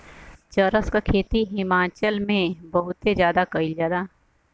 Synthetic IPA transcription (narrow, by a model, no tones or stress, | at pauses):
t͡ʃəɾəskakʰeːt̪iɦɪmaːt͡ʃəlmẽbɐɦʊt̪ːezjaːd̪akɐilzjaːd̪aː